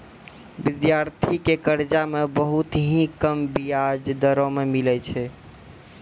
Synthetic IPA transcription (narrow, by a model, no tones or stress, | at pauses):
bid̪jaɾt̪ʰikekəɾd͡ʒamebəɦut̪ɦĩkəmbijad͡ʒd̪əɾomemilɛt͡ʃʰɛ